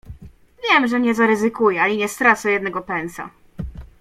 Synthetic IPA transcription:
vʲjɛmʐɛɲɛzaɾɛzɘkujɛalʲiɲɛst̪ɾat̪sɔjɛd̪nɛɡɔpɛnt̪sa̰

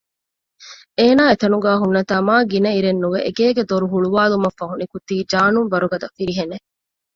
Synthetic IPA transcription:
eːnaːet̪ɐnuɡæːɦunːɐt̪aːmaːɡinɐiɾenːuʋeʔeɡeːɡed̪oɾuɦuɭuʋaːlumɐfːɐɦunikut̪iːd͡ʒaːnumʋɐɾuɡɐd̪ɐfiɾiɦene

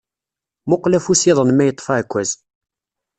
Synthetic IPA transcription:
mʊqlæfusiðˤənmæjət̪ˤːfaʕkʷːæz

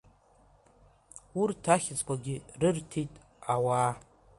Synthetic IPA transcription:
urtʰaχʲɪt͡sʼkʷʼaɡʲɪrɨrtʰitʼ | awaː

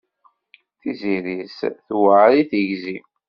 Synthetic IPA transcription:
θiziɾisθwəʕɾiθəʝzi

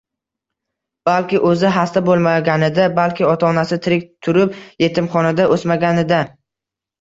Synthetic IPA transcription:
b̥alkʲɪʔɵzɪɦast̪abolˠmaɡʲanɪd̪abalkʲɪɒt̪ʰaɒnasɪt̪ʰɪɾɪk̚ʲt̪ʰʊɾɪpje̞t̪ʰɪmχɒnad̪aʔosmaɡʲanɪd̪a

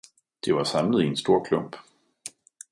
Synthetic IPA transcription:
d̥iʋɑ̈sɑ̈mləð̩ˠiensd̥o̝ɐ̰kʰlɔm̰b̥

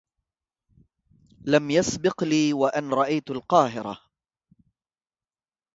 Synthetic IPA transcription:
lamjasbɪqliːwaʔanɾˤɑʔajt̪alqɑːɦɪɾa̰

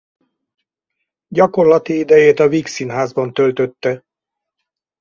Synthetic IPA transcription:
ɟɒko̞rlɒt̪iid̪ɛjeːt̪ɒviksinɦaːzbɒnt̪ølt̪øt̪ːɛ

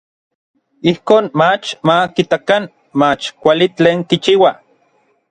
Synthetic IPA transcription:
ihkoːnmat͡ʃmakit̪akan | mat͡ʃkʷalit͡ɬeːŋkit͡ʃiːwa

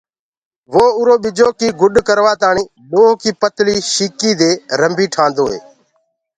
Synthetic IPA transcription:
ʋoːʊɾoːɓɪd͡ʒoːkiːɡʊɗkəɾʋaːt̪aːɳiː | ɗoːɦkiːpət̪liːʃiːkiːd̪eːɾəmbʱiːʈʰãːnd̪oːɦḛː

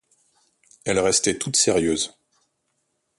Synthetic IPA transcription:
ɛlʁɛst̪ɛt̪ut̪seʁjøːz

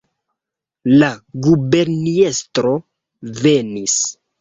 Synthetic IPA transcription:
laɡube̞ɾniestɾo̞ | ve̞nis

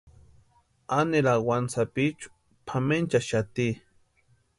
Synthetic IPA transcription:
aneɾawansapit͡ʃu̥ | pʰament͡ʃaʃat̪i

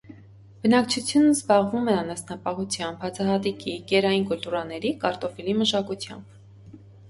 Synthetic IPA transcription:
b̥ənɑk̚t͡ʃʰut͡sʰjunəzbɑʁvumɛɑnɑsnɑpɑɦut͡sʰjɑmbhɑt͡sʰɑɦɑt̪ikikɛɾɑjinkult̪uɾɑnɛɾikɑɾt̪ɔfiliməʃɑkut͡sʰjɑ̰mb̥

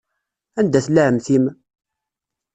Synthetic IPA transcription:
ænd̪æθlæʕəmθim

